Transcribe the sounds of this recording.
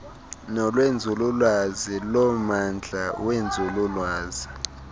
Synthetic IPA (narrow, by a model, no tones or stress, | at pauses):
nɔlwend͡zʱululwazilɔmand͡ɮʱawend͡zʱululwaːzi